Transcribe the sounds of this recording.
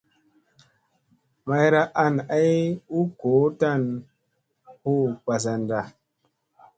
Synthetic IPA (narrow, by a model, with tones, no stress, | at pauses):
ma˨jɾa˦ʔa˧na˦ju˦ko˨˦ta˦˨n | ho˦k͡pa˨s̬a˨nda˨